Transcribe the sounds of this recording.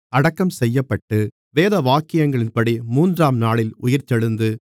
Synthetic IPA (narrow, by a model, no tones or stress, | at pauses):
ɐɽɐkːɐmsɛjːɐpːɐʈːɯ | ʋeːðɐʋaːkːɪjɐŋɡɐɭɪnpɐɽimuːndraːmnaːɭɪlʊjɪɾt͡ʃɛɻɯnd̪ɯ